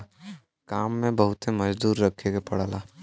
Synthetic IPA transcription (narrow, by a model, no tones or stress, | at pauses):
kaːmːẽbəɦʊt̪emɐd͡ʒd̪uːɾːəkʰeɡepɐɽalaː